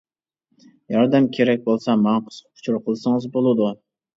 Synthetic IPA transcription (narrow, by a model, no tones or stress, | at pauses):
jɒɾd̪amkʲʰe̞ɾak̚ʲbolˠsamanqʰɨ̥sqʰʊ̥t͡ʃʰɾqʰəlˠsɪŋɨzbolˠad̪ʊ